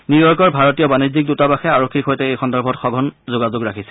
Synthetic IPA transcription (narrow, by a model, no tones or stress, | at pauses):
niɹjɔkɔɹbʱaɹɔtijɔbanizik̚dutabaxɛaɹokʰːikxojtɛejxɔndɔɹbʱɔtxɔɡʱɔnzoɡazʊɡɹakʰisɛ̥